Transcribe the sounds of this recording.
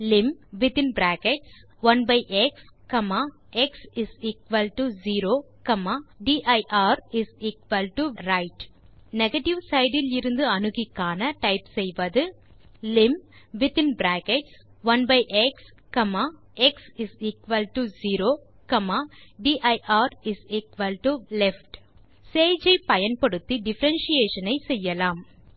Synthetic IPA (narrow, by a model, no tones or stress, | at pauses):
lɪmʋɪt̪ɪnbɾæːkɛʈs | ʋɐnbɐɪʔɛkskɐmaː | ʔɛksɪsiːkʋɐlʈuziːɾoː | kɐmaːɖiːʔɐɪʔaːɾɪsiːkʋɐlʈuɾɐɪʈ | nɛɣɐʈɪʋsɐɪɖɪlɪɾɯnd̪ɯɐnɯɣɪkːaːnɐʈɐɪpsɛjʋɐðɯ | lɪmʋɪt̪ɪ̃nbɾæːkɛʈs | ʋɐnbɐɪʔɛks | kɐmaː | ʔɛksɪsiːkʋɐlʈuziːɾoː | kɐmaːɖiːʔɐʔaːɾɪsiːkʋɐlʈulɛfʈ | seːd͡ʒɐɪpɐjɐnpɐɽɯt̪ːiɖɪfɐɾɐnʃijeːʂɐnɐɪsɛjːɐlaːm